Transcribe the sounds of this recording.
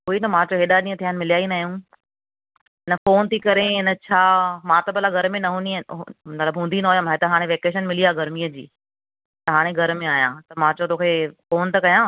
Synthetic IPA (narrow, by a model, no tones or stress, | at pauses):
ɦuinɐmãːt͡ɕoɦeːɗaɗĩːə̃t̪ʰijanɪ̆mɪlijaːinaːɦjũ | ɪnəfoːnt̪ʰikɐɾeɦɪnə̆t͡ɕʰaːmãt̪ɐbəlaɡʱɐɾmẽnɐɦũːnĩɐt̪ləbɦũːnd̪inɐɦoːjəmaːɦet̪ɐɦaːɽ̃ẽʋeːkeːʃ̬ənmɪlijaɡɐɾmiːəd͡ʑḭː | t̪ɐɦaːɽ̃ẽɡʱɐɾmẽaːɦjãt̪ɐmãːt͡ɕot̪oːkʰefoːnt̪ɐkɐjãː